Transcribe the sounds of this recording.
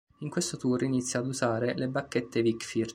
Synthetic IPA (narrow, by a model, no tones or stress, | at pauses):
iŋkwest̪ot̪uːrinit̪sːjaːd̪uzaːɾelebakːet̪ːevikfir